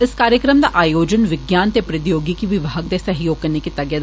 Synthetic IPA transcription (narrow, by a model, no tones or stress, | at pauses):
ɪskaːɾjəkɾəmd̪a̰ʔaːjoːd͡ʒənʋɪɡjaːnt̪epɾɐd̪joːɡikiʋɪʋaːɡ̚d̪esɐɦjoːɡ̚kɐɾnekit̪ɐɡjəd̪